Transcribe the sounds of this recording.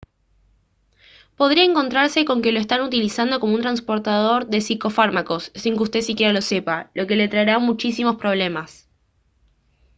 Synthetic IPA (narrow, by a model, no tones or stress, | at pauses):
po̞ðɾiaeŋko̞nt̪ɾaɾse̞ko̞ŋke̞lo̞est̪anut̪ilisand̪o̞ko̞mount̪̬ɾanspo̞ɾt̪að̞o̞ɾðe̞siko̞faɾmako̞sːiŋkeust̪esikje̞ɾalo̞se̞palo̞ke̞le̞t̪ɾaeɾamut͡ʃisimo̞spɾo̞βle̞mas